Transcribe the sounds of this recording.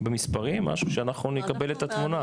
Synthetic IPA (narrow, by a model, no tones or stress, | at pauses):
bemispaʁimːa̰ʃuʃeanaχnunekabe̞le̞t̪at̪muna